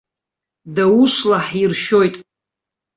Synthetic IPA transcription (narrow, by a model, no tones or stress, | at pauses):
dawuʃlaħirʃo̞jtʼ